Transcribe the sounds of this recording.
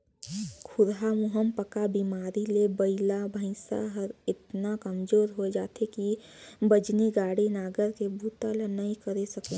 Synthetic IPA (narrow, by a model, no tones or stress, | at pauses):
kʰʊɾɦamʊɦəmpəkabimaːɾilebəɪlabʱə̃ɪ̃sa̰ɦəɾɪt̪nakəmd͡ʒoːɾɦoed͡ʒaːt̪ʰekibəd͡ʒniɡaːɽinaːɡəɾkebʱut̪alenəɦĩkəɾesəklẽ